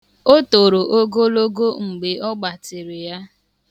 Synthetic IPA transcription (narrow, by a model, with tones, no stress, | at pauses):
o˦to˨ɾo˨ʔo˦ɡo˦lo˦ɡo˦ŋ͡m̩˨ɡ͡be˨ʔɔ˦ɡ͡ba˨tɪ˨ɾɪ˨ja˦